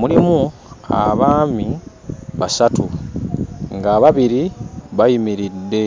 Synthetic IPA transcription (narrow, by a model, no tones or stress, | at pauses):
mulimu | a̰βaːmi | βasatu | ŋɡaːβaβiɾiβajimiɾidːe̞